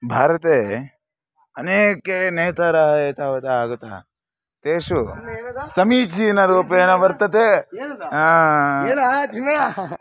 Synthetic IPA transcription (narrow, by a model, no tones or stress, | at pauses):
bʱaːɾət̪e | əneːkeneːt̪ʰaɾaɦet̪ʰaɦot̪aːɡt̪a̰ | t̪eːʃusɐmit͡ʃʰinaɾoːpenaʋəɾt̪ət̪e | ã | a